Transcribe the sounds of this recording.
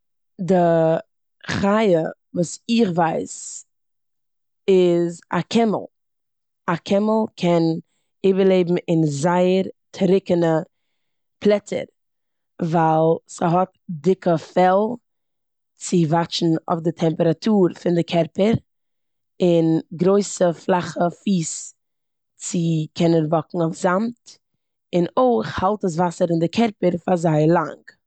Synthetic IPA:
dɪ | χaɪə | vuːsɪχvaɪs | ɪza̰kʰɛmə̰lˠ | akʰɛməl̩ˠkʰɛn | iːbəɾleɪbm̩ɪnzaɪəɾtʰɾɪkənə | pʰlˠɛtə̰ɾ | vaɪlˠsəɦɔt̚ | dɪkəfɛlˠ | t͡sɪvat͡ʃn̩o̰fdɪtʰɛmpəɾatʰuːɾfɪndɪkʰɛɾpəɾ | ɪnɡɾoɪsəflˠaχəfiːs | t͡sɪkʰɛnənvɔkŋ̩oʊfz̥amt | ɪnoɪχhalˠtəs̬vasəɾɪndɪkʰɛɾpəɾfazaɪlˠa̰ŋk

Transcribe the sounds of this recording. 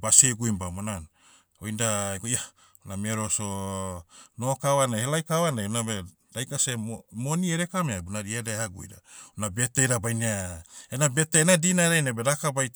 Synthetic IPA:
baseɡujmbamonan | ojndaeɡoja | namieɾoso | nokaβanahelajkawanajunabe | d̥ajkasemonieɾekameabunaɾiadehaɡṵj̰ɾaunabetejɾabajniaenabeteenadinaɾajnabeɾakabaj

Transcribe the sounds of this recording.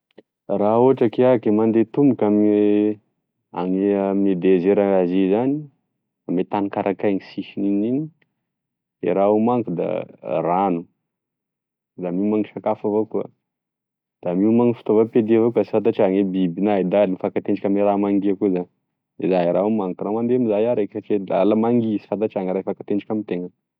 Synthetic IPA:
raoʈ͡ʂakeakemand̪et̪umbukam | a̰ŋemed̪ezeɾaazizani | amet̪anikaɾʔakajŋisiʃininini | ḛɾaumaŋkud̪a̰ranu | d̪amiumaŋiʃakafavokuə̰ | d̪̥amiumaŋifi̥t̪ovaped̪iavokasi̥fant̪at͡ʃaŋebibinaid̪alinifakat̪eɳɖ͡ʐakʲameɾamaŋɡiakuzan | ezaiɾaumaŋkuramand̪emizajaɾekat͡ʃela̰ləmaŋɡisi̥fat̪at͡ʃaŋɾajfakat̪eɳɖ͡ʐakʲamit̪eŋə

